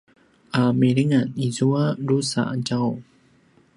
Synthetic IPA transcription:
ʔamiɾiŋanizuaɾusa̰ad͡ʒaw

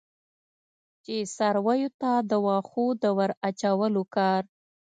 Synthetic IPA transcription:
t͡ʃesaɾwajot̪ad̪əwɑxod̪əwəɾat͡ʃawəlokɑɾ

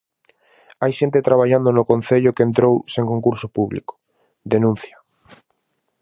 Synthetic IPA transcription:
ajʃent̪et̪ɾaβaʎand̪onokõn̟θeʎʊkent̪ɾowsẽŋkoŋkuɾsopuβlḭko̥ | d̪enũn̟θja

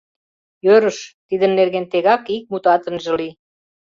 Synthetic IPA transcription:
jøɾəʃt̪id̪ənːerɣent̪eɣɑkik̚mut̪ɑt̪ə̆nʒə̆li

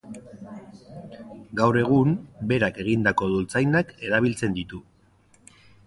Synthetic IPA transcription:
ɡawre̞ɣ̞umbe̞ɾake̞ɣind̪ako̞ðult͡sajnake̞ɾaβ̞ilt͡se̞nd̪it̪u

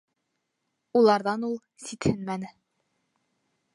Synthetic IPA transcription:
ulˠɑɾðɑnulˠ | sit̪hɘnmænɘ

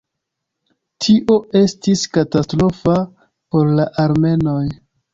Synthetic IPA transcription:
tʰiʔo̞e̞stiskatastɾo̞fa | po̞ɾlaʔaɾme̞no̞j

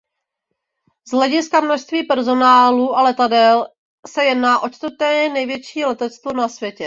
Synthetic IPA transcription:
zɦlɛɟɪskamnoʃst̪viːpɛɾzo̞naːluːʔalɛt̪adɛl | sɛjɛdnaːʔo̞t͡ʃt̪vɾt̪ɛːɛnɛjvjɛt͡ʃiːlɛt̪ɛt͡st̪vonasvjɛcɛ

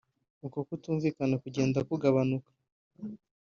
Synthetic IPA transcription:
uko̞kutuːɱviːkanakuɟe̞ːndakuɡaβanukḁ

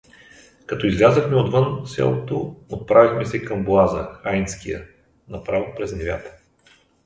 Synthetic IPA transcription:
kɐt̪ɔizlʲazəxmɛod̪vɤnsɛ̰lˠot̪oot̪̚pɾavixmɛsɛkɐmblˠazəxajnskijə̰ | nɐpɾavopɾɛznɛvʲja̰t̪ə̥

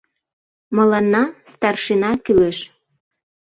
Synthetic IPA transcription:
mə̆lɑnːɑst̪ɑrʃenɑkyleʃ

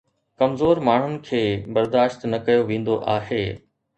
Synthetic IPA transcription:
kɐmzoːɾmaːɳ̤ʊnɪ̆kʰeːbɐɾd̪aːʃt̪nɐkɐjoʋẽːn̆d̪oʔaːɦeː

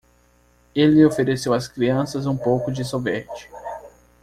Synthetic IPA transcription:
elɪofeɾesewɐskɾiɐ̃sɐzũpowkʊd͡ʒɪsovɛɾt͡ʃɪ̥

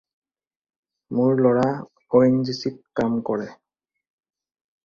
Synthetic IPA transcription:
mʊɹlɔɹa | oɛnzisit̚kamkɔɹɛ

